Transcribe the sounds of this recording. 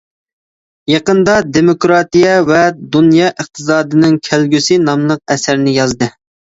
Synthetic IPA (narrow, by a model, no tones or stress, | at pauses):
jɑqənd̪ɑd̪emokɾɑt̪ijɛvɛd̪unjɑːʔəqt̪ʰɨsɑːd̪ɨnɪŋkʲʰælɡʲysɪnɑmlˠəq̚ɛsæɾnɪjɑzd̪ɨ